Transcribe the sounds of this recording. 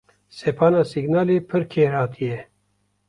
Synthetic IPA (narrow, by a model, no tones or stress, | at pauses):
sepʰɑːnaːsiɡnaːleːpʰɨɾkʰeːɾhɑːt̪ʰijɛ